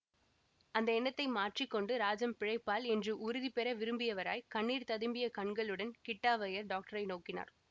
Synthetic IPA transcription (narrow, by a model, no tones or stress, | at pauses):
ɐnd̪ɐɛnːɐt̪ːɐɪmaːʈrikːɔɳɖɯɾaːd͡ʒɐmpɪɻɐɪpːaːlɛndrɯʔʊɾɯðipɛɾɐʋɪɾɯmbɪjɐʋɐɾa̰ːjkɐɳːiːɾt̪ɐðɯmbɪjɐkɐɳɡɐɭɯɽɐnkɪʈːaːʋɐjɐɾɖaːk̚ʈɐɾɐɪnoːkːɪna̰ːɾ